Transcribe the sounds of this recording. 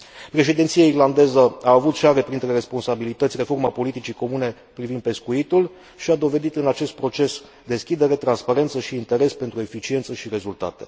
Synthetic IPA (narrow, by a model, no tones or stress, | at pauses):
pɾe̞ʃ̬ed̪int̪siairland̪e̞zəaːvut̪ʃaɾe̞pɾint̪ɾe̞ɾe̞spo̞nsabilit̪ət̪sʲre̞fo̞rmapo̞lit̪it͡ʃiko̞mune̞ | pɾivind̪̚pe̞skuit̪ul | ʃiad̪o̞ve̞d̪it̪ɨnat͡ʃe̞st̪̚pɾo̞t͡ʃe̞s | d̪e̞skʲid̪e̞ɾe̞t̪ɾanspaɾent̪səʃiːnt̪e̞ɾe̞spe̞nt̪ɾue̞fit͡ʃie̞nt̪səʃiɾe̞zult̪a̰t̪e̞